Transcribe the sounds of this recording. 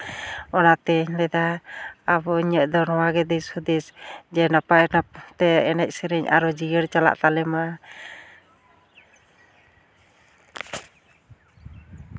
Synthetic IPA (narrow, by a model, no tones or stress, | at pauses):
ɔnat̪ɛɲlɛd̪aː | bɔiɲəʔd̪ɔnɔwaɡɛd̪isud̪isd͡ʒɛnapaɛnat̪ɛɛnɛc̚siɾɛɲa̰ɾɔd͡ʒijəɾt͡ʃala̰ʔt̪alɛma